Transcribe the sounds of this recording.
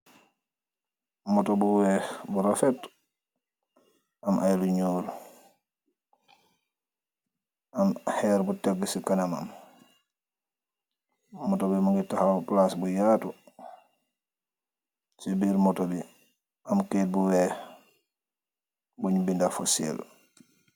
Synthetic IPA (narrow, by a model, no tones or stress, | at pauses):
mɔtobuwɛːbuɾafɛt | amʔajluɲuːɾ | ʔamhɛɾbutɛɡːsikanama̰m | mɔtobimaŋɡitahaplasbujaːtu | sibiːɾmɔtobi | ʔamkeːt̚buwɛː | buɲubindafosɛ̰l